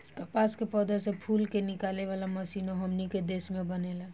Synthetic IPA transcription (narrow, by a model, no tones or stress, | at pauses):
kɐpaːskepɔːd̪əsepʰuːlkenɪkaːleʋaːlamɐsiːnoɦəmniked̪eːsmẽbənelaː